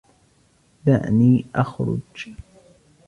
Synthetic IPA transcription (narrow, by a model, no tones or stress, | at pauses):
d̪a̰ʕniːʔaxɾʊ̰d͡ʒ